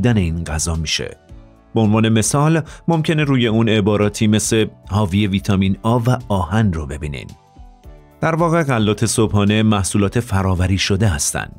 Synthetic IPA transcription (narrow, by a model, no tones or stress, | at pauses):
d̪æne̞iːnɢæzɒːmiːʃḛ | b̥eo̞nvɒːne̞me̞sɒːlmo̞mcʰe̞ne̞ɾuːje̞uːne̞bɒːɾɒːt̪ʰiːme̞sehɒːvije̞viːt̪ʰɒːmiːnɒːvæɒːhænrobe̞biːnḭn | d̪̥æɾvɒːɣe̞ɣælːɒːt̪ʰe̞sobhɒːne̞mæhsuːlɒːt̪ʰe̞fæɾɒːvæɾiːʃo̞d̪eɦæst̪æ̰nd̪̥